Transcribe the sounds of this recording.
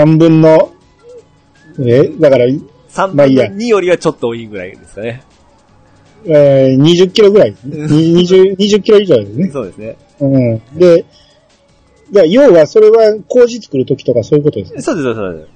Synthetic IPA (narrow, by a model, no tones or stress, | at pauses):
sãmbɯ̟̃nːo̞ | ed̪akaɾa | sãmmaijaɲijoɾʲiβat͡ɕot̪ːoiːɡɯ̟ɾa̰ḭd̪eskane | eɲ̟iʑɨkʲːiɾo̞ɡɯɾaid̪esneeɲiɲiʑɨɲ̟iʑɨkʲːiɾo̞iʑo̞ːd̪esɨne̞soːd̪esne | ɯ̃ɴd̪e̞ | dajo̞ːβaso̞ɾe̞βako̞ːʑit͡sɨ̥kɯ̟ɾɯ̟t̪o̞kʲi̥t̪o̞kaso̞ːjiɯ̟kot̪o̞d̪e̞ssoːd̪esosod̪e